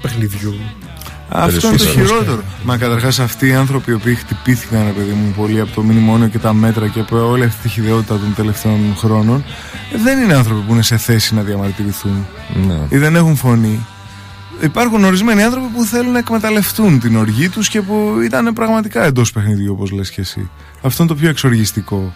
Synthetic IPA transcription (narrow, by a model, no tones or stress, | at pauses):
pexniðʝu | ɐ̰ft̪oinnet̪oçiɾo̞t̪e̞ɾo̞mɐkɐt̪ɐɾxɐsɐft̪iːɐnθɾo̞piːo̞piːxt̪ipiθikɐnɾe̞pe̞ðimupo̞liɐpo̞t̪o̞minimo̞nio̞ce̞t̪ɐme̞t̪ɾɐcepoliɐft̪i̥t̪içiðeo̞t̪it̪ɐt̪o̞nt̪e̞le̞ft̪e̞onxɾo̞no̞n | ðe̞nineɐnθɾo̞pipuine̞se̞θe̞sinɐðiɐmɐɾt̪iɾiθun | iðe̞ne̞xunfo̞ni | ipɐɾxuno̞ɾizme̞niɐnθɾo̞pipuθe̞lunːɐekme̞t̪ɐle̞ft̪unt̪ino̞ɾʝit̪usce̞puit̪ɐnepɾɐɣmɐt̪ikɐe̞nd̪o̞spe̞xniðʝuopo̞zle̞scesḭ | ɐft̪oint̪o̞pço̞ekso̞ɾʝist̪iko̞